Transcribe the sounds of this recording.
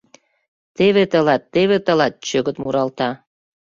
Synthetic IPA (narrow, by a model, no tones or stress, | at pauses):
t̪eβet̪əlɑt̪ːeβet̪ə̆lɑt̪̚t͡ɕøɣə̆t̪muɾɑlt̪ɑ